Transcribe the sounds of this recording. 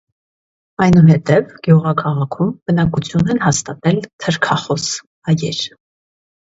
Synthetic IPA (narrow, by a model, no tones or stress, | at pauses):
ɑjnuɦɛt̪ɛvɡ̥juʁɑkʰɑʁɑkʰumbənɑkut͡sʰjunɛnɦɑst̪ɑt̪ɛlt̪ʰəɾkʰɑχɔs | ɑjɛɾ